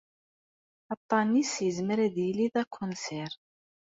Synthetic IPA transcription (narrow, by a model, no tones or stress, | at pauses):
ɑt̪ˤːɑnisjəzməɾæðjliðækʰːʊnsɛɾ